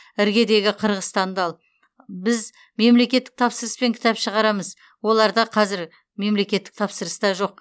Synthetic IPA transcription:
ɪɾɡʲe̞d̪e̞ɡʲɪqʰəɾʁəst̪ɑnd̪ɑlˠ | bɪz | me̞mle̞kʲe̞t̪ːɪk̚t̪ʰɑpsəɾəspe̞ŋkʲʰɪ̥t̪ɑpʃəʁɑɾɑməz | wo̞lˠɑɾd̪ɑqʰɑzɪɾ | me̞mle̞kʲe̞t̪ːɪ̥k̚t̪ʰɑpsəɾəsd̪ɑʒo̞q̚

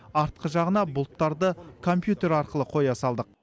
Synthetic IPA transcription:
ɑɾt̪̚qəʒɑʁənɑbʊlˠt̪ːɑɾd̪əkʰo̞mpjut̪e̞ɾɑɾqəlˠəqʰo̞jɑsɑlˠd̪əq̚

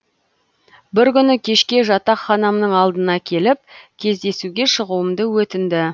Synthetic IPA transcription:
bɪɾkʲʏnɪkʲʰe̞ʃkʲe̞ʒɑt̪ɑqχɑnɑmnəɴɑlˠd̪ənɑkʲʰe̞lɪp̚kʲʰe̞zd̪e̞suɡʲe̞ʃəʁuəmd̪əwɵt̪ɪnd̪ɪ

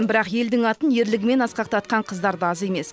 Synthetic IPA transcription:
bɪɾɑqje̞ld̪ɪŋɑt̪ənje̞ɾlɪɡʲɪme̞nɑsqɑq̚t̪ɑt̪̚qɑɴqʰəzd̪ɑɾd̪əɑze̞me̞s

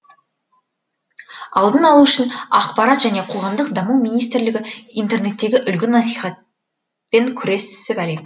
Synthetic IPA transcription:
ɑ̰lˠd̪ənɑlˠuʏʃɪnɑqpɑɾɑt̪ʒæne̞qʰo̞ʁɑmd̪əqd̪ɑmumijnijst̪rlɪɡʲɪint̪e̞rne̞t̪ːe̞ɡʲɪʔʏlɡʲɪnɑsijχɑt̪̚ | pe̞ŋkʲʰʏɾe̞ssɪbæle̞kʲ

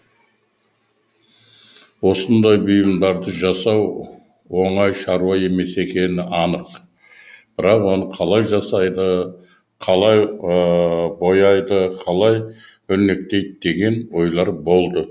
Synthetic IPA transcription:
wo̞sənd̪ɑjbʏjɪmd̪ɑɾd̪əʒɑsɑw | wo̞ɴɑjʃɑɾuɑje̞me̞se̞kʲʰe̞nɪɑnəq | b̥ɪɾɑqwo̞nəqʰɑlˠɑjʒɑsɑjd̪ə | qʰɑlˠɑj | bo̞jɑjd̪əqʰɑlˠɑj | ɵɾne̞k̚t̪e̞jd̪ɪd̪e̞ɡʲe̞nbo̞jlˠɑɾbo̞lˠd̪ə

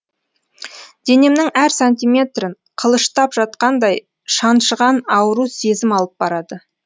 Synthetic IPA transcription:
d̪̥e̞ne̞mnɪŋæɾsant̪ʲijmʲe̞t̪ɾɪɴ | qʰəlˠəʃt̪ɑpʒɑt̪̚qɑnd̪ɑj | ʃɑnʃəʁɑnɑwəɾuse̞zɪmɑlˠəp̚bɑɾɑd̪ə

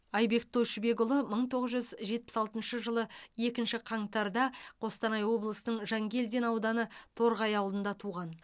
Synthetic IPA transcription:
ɑjbe̞k̚t̪ʰoʃbe̞ɡʊlˠəməɴt̪ʰo̞ʁəzʒʏzʒe̞t̪̚pɪ̥sɑlˠt̪ənʃəʒəlˠəe̞kʲɪnʃɪqʰɑɴt̪ɑɾd̪ɑqʰo̞st̪ɑnɑjwo̞blˠəsənəɴʒɑŋɡʲe̞ld̪e̞nɑwd̪ɑnət̪ʰo̞ɾʁɑjɑwlˠənd̪ɑt̪ʰuʁɑn

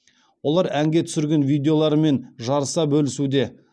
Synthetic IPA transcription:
wo̞lˠɑɾæŋɡʲe̞t̪ʰʏ̥sɪɾɡʲe̞nvijd̪ʲe̞o̞lˠɑɾəme̞nʒɑɾəsɑbɵlɪsud̪e̞

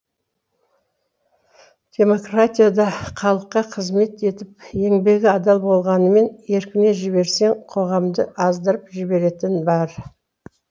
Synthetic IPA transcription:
d̪̥ʲe̞mo̞kratʲijad̪ɑqʰɑlˠəqːɑqʰəzme̞t̪e̞t̪ɪp̚e̞ŋbe̞ɡʲɪɑd̪ɑlˠbo̞lˠʁɑnəme̞nje̞ɾkʲɪne̞ʒɪbe̞ɾse̞ŋqʰo̞ʁɑmd̪əʔɑzd̪əɾəpʒɪbe̞ɾe̞t̪ɪnbɑɾ

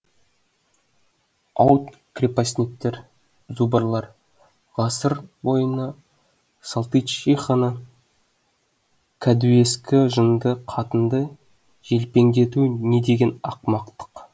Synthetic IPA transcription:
ɑwt̪kʲrʲepasʲnet̪ːeɾ | zubəɾlˠɑɾ | ʁɑsəɾwo̞jənə | sɑlˠt̪ijt̪ʃiχənə | kʰad̪ue̞skʲɪʒənd̪əqʰɑt̪ənd̪ə | ʒe̞lpe̞ŋd̪e̞t̪une̞d̪e̞ɡʲe̞nɑqmɑqt̪ə̥q

